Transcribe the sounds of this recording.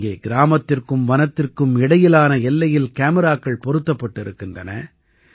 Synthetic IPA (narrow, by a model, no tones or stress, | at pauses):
ɡeːɡɪɾaːmɐt̪ːɪrkɯmʋɐnɐt̪ːɪrkɯmɪɽɐjɪlaːnɐɛlːɐjɪlkaːmɪɾaːkːɐɭpɔɾɯt̪ːɐpːɐʈːɪɾɯkːɪndrɐnɐ̰